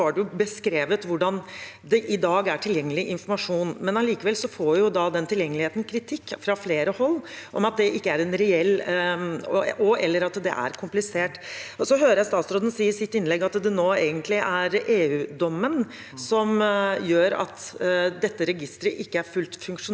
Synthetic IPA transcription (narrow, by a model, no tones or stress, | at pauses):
ɑɖɛjʊbəskɾeːʋət̪ʋʊɖɑn | d̪ɛʔɪd̪ɑːɡæʈʰɪljɛŋːəlɪʔɪnfɔɾmɑʂuːnmɛnɑliːkəʋɛlsɔfoːʋɛjʊd̪ɑd̪ɛnt̪ʰɪljɛŋːəlɪheːt̪n̩kʰɾɪt̪ʰɪkːfɾɑfleːɾəhɔlːʔɔ̰mɑt̪̚d̪ɛʔɪkːəæɾɛnɾɛɛlː | ɔɔɛlːəɾɑt̪d̪ɛ̰ʔæ̰ɾkʰʊmplɪseːʈɔsɔɦøːɾəjæst̪ɑːt̪sɾoːd̪ən̩siːəɾsɪt̪ːɪnlɛɡɑt̪d̪ɛnoːeːɡənt̪ʰlɪʔæɾeːʉːd̪ɔmːən | sɔmjøːɾɑ̰t̪d̪ɛt̪ːəɾɛɡɪst̪ɾəʔɪkːəæɾfʉlt̪fʉŋkʂʊn